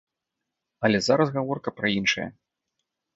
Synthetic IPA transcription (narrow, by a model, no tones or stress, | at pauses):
ɐlʲɛzaɾɐsɣavɔrkɐpɾɐinʂɐjɐ̰